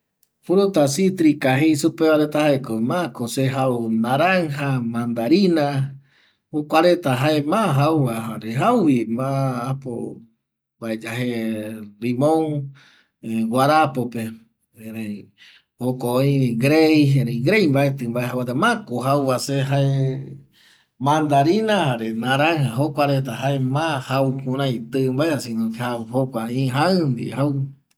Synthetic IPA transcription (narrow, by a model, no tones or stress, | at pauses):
fuɾut̪asit̪ɾikaɦejsupeβaɾet̪ahaekomakoseɦaunaɾaŋɦamãnd̪aɾina | okʷaɾet̪aɦaemãɦauwaaɾeɦawwimaːpo̰ | baed͡ʒaɦelimõŋ | waɾapope | eɾe | hokooĩɡɾejeɾeiɡɾejmbaet̪ɨmbaehɦawet̪amãkoɦawβaseɦae | mãnd̪aɾinãhaɾenãɾaɦaɦokʷaɾet̪̬aɦaemãhawkũɾãjt̪ɨmbaeasĩnõkhahokʷaĩɦaɨ̃nd̪ḭhaw